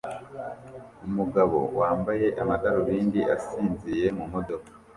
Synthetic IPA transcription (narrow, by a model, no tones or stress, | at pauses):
umuɡaβo̞̰waːmbaje̞ʔamataɾuβiːndiʔa̰siːnzije̞mumo̞do̞kḁ